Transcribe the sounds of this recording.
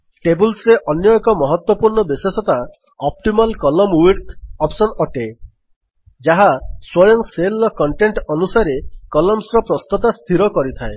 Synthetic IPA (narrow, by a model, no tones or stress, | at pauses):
ʈebulsɾeʔɔnjɔkɔmɔɦɔt̪wɔpuɾɳɔbisesɔt̪a | ɔp̚ʈimalkɔlɔmwiɾt̪ʰɔpsɔnɔʈe | d͡ʒaɦaswɔjɔŋselːɔkɔɳʈeɳʈɔnusaɾekɔlɔmsɾɔpɾɔst̪ɔt̪ast̪ʰiɾɔkɔɾit̪ʰae